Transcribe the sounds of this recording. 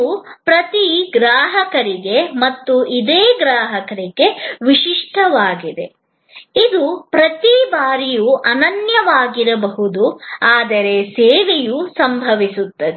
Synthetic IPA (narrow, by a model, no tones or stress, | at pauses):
upɾɐt̪iɡɾaːɦɐkɐɾiɡe̞mɐt̪ːuʔid̪eːɡɾaːɦɐkɐɾiɡe̞ʋiʃiʂʈɐʋaːɡid̪e̞ | id̪upɾɐt̪ibaːɾijuʔɐnɐnjɐʋaːɡiɾɐbɐɦud̪uaːd̪ɐɾeseːʋejusɐmbʱɐʋisut̪ːɐd̪e